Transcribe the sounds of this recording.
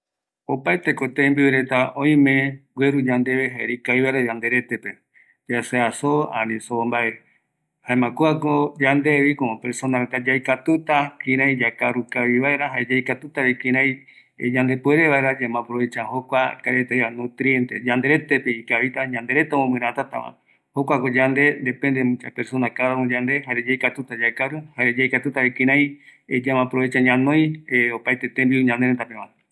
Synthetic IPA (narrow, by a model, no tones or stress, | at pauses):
opaet̪e̞kot̪embiwɾe̞t̪aõĩmẽ̞ɡwʷeɾud͡ʒãnd̪eβeɦaeɾikaiβaeɾad͡ʒãnd̪e̞ɾe̞t̪e̞pe | d͡ʒaseasoã̰nĩsoombae | haemãkuakod͡ʒand̪eβikõpeɾsonaɾet̪ad͡ʒajkat̪ut̪akĩɾãj̃d͡ʒakaɾukaβiβaeɾaɦaed͡ʒajkat̪ut̪aβikĩɾ̃ãj̃ | d͡ʒãnd̪e̞pueɾeβaeɾad͡ʒamãpɾoβet͡ʃahokʷakaɾet̪ajanõt̪ɾie̞nt̪ed͡ʒand̪e̞ɾe̞t̪epeikaβit̪aɲãnd̪e̞ɾet̪aomõmɨ̃ɾ̃ãt̪at̪ã̰mã̰ | ho̞kʷakod͡ʒand̪e̞nd̪e̞pẽ̞nd̪emũt͡ʃapeɾso̞nakaɾaɾõd͡ʒand̪e̞ɦaɾed͡ʒajkat̪ut̪ad͡ʒakaɾuhaed͡ʒajkat̪ut̪aβikĩɾãj̃d͡ʒamãpɾoβet͡ʃaɲãnõj̃eopajt̪et̪ẽmbiuɲãnd̪eɾent̪apẽβãn